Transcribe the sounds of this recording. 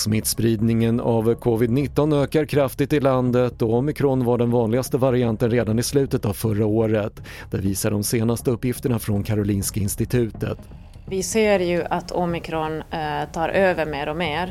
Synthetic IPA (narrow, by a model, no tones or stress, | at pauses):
smɪt̪spɾiːd̪nɪŋənavkʰɔvɪd̪nɪt̪ːɔnøːkaɾkʰɾaft̪ɪt̪ɪland̪ət̪ɔɔmɪkʰɾɔnvaɖɛnvɑːnlɪɡast̪əvaɾɪant̪ənɾeːd̪anɪslʉ̟ːt̪ət̪avfœɾaoːɾət̪ | d̪̥æɾviːsaɖɔmseːnast̪əɵpːjɪft̪əɳafɾɔnkʰaɾʊliːnskaɪnst̪ɪt̪ʰʉ̟ːt̪ə̰t̪ | vɪseːɾjɵʔat̪ʰɔmɪkʰɾɔnt̪ʰɑːɾʔøːvəɾmeːɾɔmeːɾ